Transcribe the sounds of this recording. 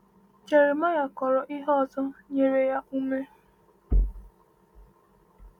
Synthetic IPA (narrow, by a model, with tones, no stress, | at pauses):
t͡ʃe˨ɾe˨ma˦ja˨kɔ˨ɾɔ˨ʔi˦ɦɔ˦˨zɔ˦ɲe˨ɾe˨ja˦u˦me˦